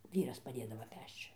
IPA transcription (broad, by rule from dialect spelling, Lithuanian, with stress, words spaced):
ˈʋʲiːrɐs pɐˈdʲeːdɐʋoː ˈpʲɛʃt͡ʃ